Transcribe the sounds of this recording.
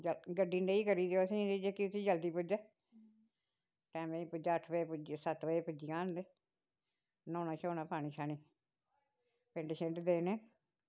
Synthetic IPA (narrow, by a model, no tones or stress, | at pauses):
d͡ʒəɡəɖiːnɖeːiːkəɾiːd̪eosĩd̪ed͡ʒeːkiʊt̪ʰiːd͡ʒəld̪iːpʊd͡ʒɛː | ʈɛ̃ːmẽĩpʊd͡ʒaːəʈʰʋepʊd͡ʒsət̪ʋeepʊd͡ʒiːaːnd̪eː | nɔ̃ːnaːt͡ʃoːnaːpaːɽ̃iːʃʰaːñiː | pẽɳɖeʃẽɳʈd̪eːnẽː